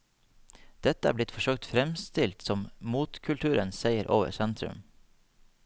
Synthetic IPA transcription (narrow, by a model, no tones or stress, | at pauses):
d̪̥ɛt̪əæ̰ːblɪt̪fɔʃøːk̚t̪fɾɛmst̪ɪlt̪sɔmmuːt̪kʰʉlt̪ʰʉːɾənseɪəɾʔoːʋə̰ɾsɛnt̪ɾʉ̰m